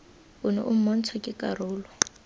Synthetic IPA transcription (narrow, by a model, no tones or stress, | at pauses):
ʊnɔ̰ʔum̩mɔn̩t͡sʰɔkʼɪkʼarʊːlɔ